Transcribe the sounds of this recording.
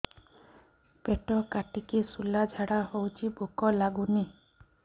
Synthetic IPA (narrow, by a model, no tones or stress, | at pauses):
peʈɔkaʈikisulad͡ʒʱaɽahowt͡ʃʰibʱukɔlaɡuni